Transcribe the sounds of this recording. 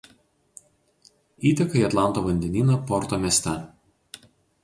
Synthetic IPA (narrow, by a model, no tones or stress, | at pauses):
iːt̪ʲɐkɐiɐt̪lˠɑˑnt̪oːʋɐnʲd̪ʲɛnʲiːnɐpɔɾt̪omʲɛːsʲt̪ʲɛ